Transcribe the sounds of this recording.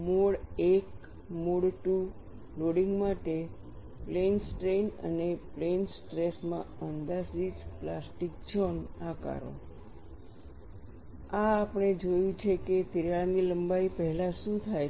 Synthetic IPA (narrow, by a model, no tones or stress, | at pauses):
moɽek | moɽʈu | loɽiŋɡmaʈe | plensʈɾenə̰neplensʈɾesmã̰ənd̪asid͡ʒplasʈik̚d͡ʒənaka̰ɾo̰ | aːpəɽ̃ed͡ʒojũt͡ʃʰeket̪iɾjaɭniləmbaipəɦɛlaʃũt̪ʰa